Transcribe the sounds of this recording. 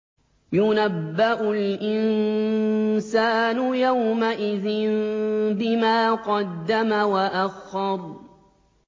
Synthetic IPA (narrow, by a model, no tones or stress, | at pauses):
jʊnabːaʔʊlʔɪn | saːnʊjawmaʔɪðɪnbɪmaːqɑd̪ːamawaʔaxːɑɾˤ